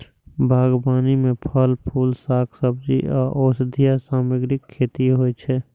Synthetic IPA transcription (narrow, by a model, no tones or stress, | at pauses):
bʱaːɡbaːnimẽpʰəlpʰuːlsaːkʰsəb̚d͡ʒḭʔɔ̰ːɾʔoːsd̪ʱijasaːməɡɾɪkʰːeːt̪iɦoːet͡ʃʰɛ